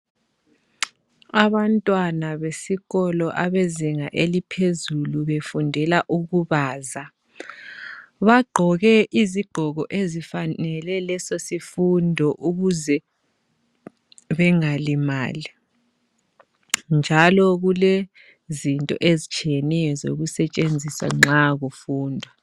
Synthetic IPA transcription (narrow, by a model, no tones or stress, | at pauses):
aβantʼwanaβesiɣɔlɔʔaβeziŋaʔelipʰezuluβefundʱɛlaʔuɣuβaːza | βaɡ͡ǃʱɔɣɛʔiziɡ͡ǃʱɔɣɔʔezifanɛlɛlɛsosifundʱɔʔuɣuzɛ | βɛŋalima̰ːli | nd͡ʒʱalɔɣule | zintʼɔ̰ʔezit͡ʃʰʼijɛnɛjɔzo̰ɣusɛt͡ʃʼend͡zʱisa̰ŋ͡ǁaɣufuːndʱwa